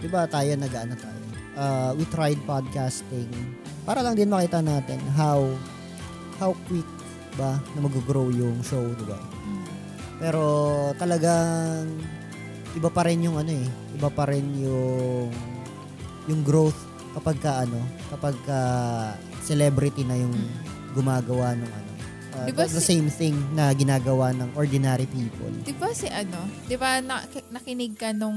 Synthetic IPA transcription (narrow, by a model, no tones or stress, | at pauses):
d̪̥ɪbat̪aːjonɐɡɐʔɐnɐt̪aːjo | ʔawɪt̪ɾajd̪̚pad̪̚kast̪ɪŋ | paːɾɐlɐŋd̪ɪnmɐkiːt̪ɐnaːt̪ɛnɦaw | hawkwik̪̚ | ɪbɐnɐmɐɡʊɡɾowjʊŋʃowd̪ɪba̰ | pɛːɾo̞t̪ɐlɐɡaŋ | ʔɪbapɐɾɛnjʊŋʔɐno̞ʔɛʔɪbapɐɾɛnjʊŋ | jʊŋɡɾowθ | kɐpɐɡ̚kɐʔɐno̞kɐpɐɡ̚kɐ | sɛlɛbɾɪt̪inɐjʊŋ | ɡʊmaːɡɐwanoŋʔɐ̰no̞ | ɐɪdbad̪ɐsejmθɪŋnɐɡɪnaːɡɐwanɐŋʔoɹd̪ɪnaɾipiːpo̰ld̪ɪbasɪʔɐnod̪ɪbanɐnɐkɪnɪɡ̚kɐnoŋ